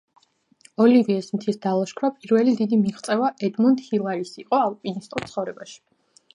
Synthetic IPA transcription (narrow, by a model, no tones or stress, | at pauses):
ɔliviɛsmt̪ʰisd̪alˠaʃkʰɾapʼiɾvɛlid̪id̪imiʁt̪sʼɛvaʔɛd̪mund̪hilˠaɾisiqʼɔalˠpʼinist̪ʼut̪sʰχɔvɾɛbaʃi̥